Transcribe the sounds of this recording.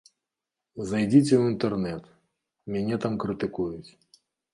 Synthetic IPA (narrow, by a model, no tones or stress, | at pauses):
zɐjdʲitʲɛwuint̪ɛrnɛt̪ | mʲɛnʲɛt̪amkɾɨt̪ɪkujʊt͡sʲ